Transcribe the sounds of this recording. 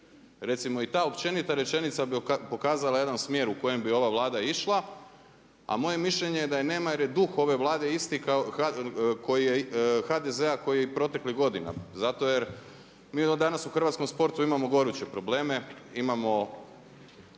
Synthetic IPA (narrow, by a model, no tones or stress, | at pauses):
ɾe̞t̪simo̞it̪aːopt͡ʃe̞nit̪aɾe̞t͡ʃe̞nit̪sabpo̞kaːzalˠaje̞d̪ansmje̞ːɾuko̞je̞mbio̞ʋaʋlˠaːd̪aiʃlˠa | a̰mo̞je̞miʃʎʲe̞ɲe̞jed̪ajeneːmajeɾjed̪uxo̞ʋe̞ʋlˠaːd̪e̞ist̪ikaakʰo̞jijexad̪eze̞ako̞jijeipɾo̞t̪e̞kliɦɡo̞d̪ina̰zat̪o̞jeɾ | miːod̪anatsuxr̩ʋat̪komspo̞ɾt̪uimamo̞ɡo̞ɾut͡ɕe̞pɾo̞ble̞ːme̞imamo̞